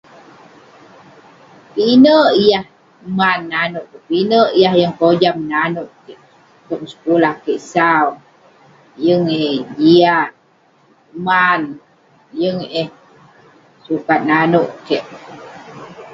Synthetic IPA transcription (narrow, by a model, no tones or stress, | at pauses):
pinəʔijah | manːanoʔpinəʔijahjəŋkod͡ʒamnanoʔkeʔ | t̪oʔ̚msə̥kulahkeʔsau | jəŋed͡ʒiaʔ | man | jəŋe | sukat̪̚nanoʔkeʔ